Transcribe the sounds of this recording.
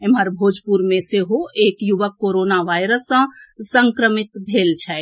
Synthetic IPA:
eməɾbʱoːd͡ʒʱpuɾmẽseɦoʔeːkjuʋəkːoːɾoːnaʋaːjɾəsːə̃sə̃ŋkɾəmɪt̪bʱeːlt͡ʃʰɛ

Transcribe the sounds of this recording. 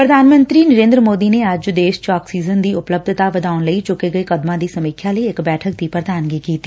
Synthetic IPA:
pɾəd̪ʱaːnmə̃nt̪ɾiːnəɾẽːnd̪ɾəmoːd̪ineɐd͡ʒd̪eːʃt͡ʃaːksiːzənd̪iːʊpləb̚d̪ʱt̪aʋəd̪aːʊnləit͡ʃʊkeɡəekəd̪mãːd̪iːsɐmiːkʰjaləiɪkbɛːʈʰək̚d̪iːpɾəd̪aːnɡikiːt̪iː

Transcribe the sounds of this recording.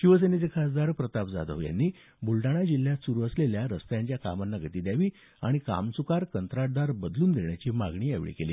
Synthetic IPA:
ɕiʋəs̬enet͡sekʰasd̪aɾpɾət̪apd͡za̰d̪ə̰ʋja̰nːiː | bulʈaɽ̃ad͡ʑil̤ːjasuɾuːəsleljaɾəst̪əjaɲt͡ɕjaka̰manːaɡət̪iːd̪jaʋiː | aɽ̃ika̰msukaɾkənt̪ɾaʈ̚d̪aɾbəd̪luːnd̪eɳjat͡ɕiːmaɡɳiːa̰ʋɭḭkeliː

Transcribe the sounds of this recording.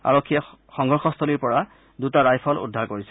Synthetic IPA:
a̰ɹɔkʰːija | xɔŋɦɔɹxɔstʰɔliɹpɔɹa | dutaɹajpʰɔlṵdʱaɹkoɹisɛ̥

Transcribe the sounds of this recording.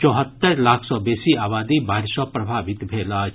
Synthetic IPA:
t͡ʃɔːɦət̪ːəɾlaːkʰsɔːbɛːsiaːbaːd̪ibaːɾsɔpɾɐbʱaːʋɪt̪bʱeːlaː

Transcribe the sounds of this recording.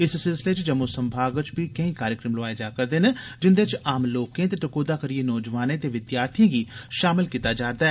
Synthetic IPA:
ɪssɪlsɪleːt͡ʃd͡ʒəmõːsəmbʱaːɡət͡ʃbiːkəĩːkaːɾjəkɾəmloaːed͡ʒaːkəɾd̪eːnẽːd͡ʒɪnd̪eːt͡ʃaːmloːkẽːt̪̬eʈəkoːd̪aːkəɾieːnɔːd͡ʒʋaːnẽːt̪eːʋɪd̪jaːɾt̪ʰijãːɡiːʃaːmɪlkiːt̪aːd͡ʒaːɾd̪aːɛ

